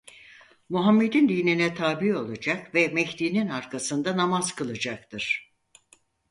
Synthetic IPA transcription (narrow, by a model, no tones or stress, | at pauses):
muɦamːe̞d̪ind̪iːninɛt̪ʰaːbio̞lˠad͡ʒakvɛmɛçd̪iːninaɾkʰasɯnd̪anamaz̥kʰɯlˠad͡ʒak̚t̪ʰɯɾ̥